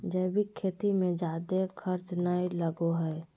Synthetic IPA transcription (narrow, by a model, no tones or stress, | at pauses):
d͡ʒəbʱikʰeːt̪imẽd͡ʒaːd̪ekʰəɾt͡ʃnaːiləɡoɦɛː